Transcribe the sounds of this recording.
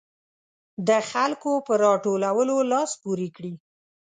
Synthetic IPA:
d̪əxalkopəɾɑʈolawəlolɑspuɾikɽi

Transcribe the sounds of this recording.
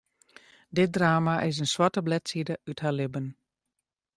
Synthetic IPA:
dɪt̚draːmaʔɪs̬ənswatəblɛtsidəythaːlɪbən

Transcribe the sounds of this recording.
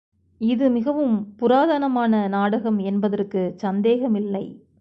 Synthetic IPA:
ɪðɯmɪɣɐʋɯmpʊɾaːðanɐmaːnɐnaːɽɐɣɐmɛnbɐðɐrkɯsɐnd̪eːɣɐmɪlːɐɪ

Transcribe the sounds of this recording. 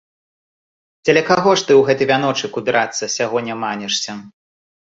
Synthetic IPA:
t͡sʲɛlʲɛkaɣɔʂt̪ɨwɣɛt̪ɨvʲanɔt͡ʂɨkubʲiɾat̪sːɐsʲaɣɔnʲːɛmanʲɛʂsʲɐ

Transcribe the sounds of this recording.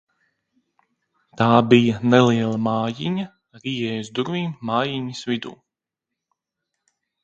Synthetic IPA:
t̪aːbijɐnɛliɛlˠɐmaːjiɲɐ | ɾiːjɛːjuzd̪uɾviːmːaːjiɲisvid̪ṵː

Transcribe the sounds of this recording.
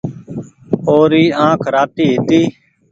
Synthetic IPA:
oːɾiːãːkʰɾaːt̪iːɦɪt̪iː

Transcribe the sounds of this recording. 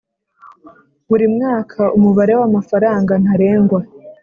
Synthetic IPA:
βuɾimŋaːkʰaʔumuβaɾe̞wamafaɾaːŋɡan̥haɾe̞ːŋɡwa

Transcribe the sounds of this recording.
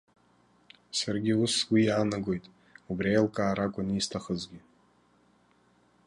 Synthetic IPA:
sarɡʲiuswijaːnaɡojtʼ | ubriejlkʼaːɾakʷʼʊnistʰaχəzɡʲɪ

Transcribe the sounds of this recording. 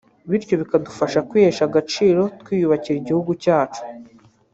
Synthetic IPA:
βiɾco̞βikadufaʃakwiːheʃaɡat͡ʃiːɾo̞tkwiːjuβaciɾiɟihuɡucaːt͡ʃu̥

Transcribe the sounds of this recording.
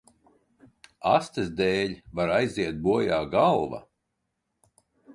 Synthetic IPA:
ast̪ɛsd̪ɛːʎʲvaɾajziɛt̪̚buɔjaːɡalˠva̰

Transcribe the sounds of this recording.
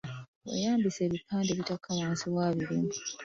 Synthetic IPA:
wḛjaːmbise̞ːβipʰːaːndeːβitakʰːawaːnsiβwaːβiɾiːmi

